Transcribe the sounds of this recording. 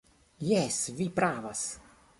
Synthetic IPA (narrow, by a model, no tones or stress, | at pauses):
jɛsvipɾaːvas